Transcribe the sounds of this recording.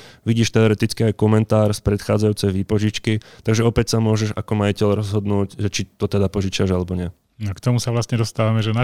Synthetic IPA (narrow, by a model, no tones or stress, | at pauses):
ʋiɟiːʃt̪ɛɔɾɛt̪it͡skiajkɔmɛnt̪aːɾspɾɛt̪xaːd͡zajuːt͡sɛjʋiːpɔʒit͡ʃkit̪aɡʒɛɔpɛcsamʊɔʒɛʃa̰kɔmajicɛʎɾɔzɦɔd̪nuːcʒɛt͡ʃit̪ɔt̪ɛd̪apɔʒit͡ʃaʒalɛbɔɲɪɛ | nɔkt̪ɔmusaʋlast̪ɲɛd̪ɔst̪aːʋamɛʒɛna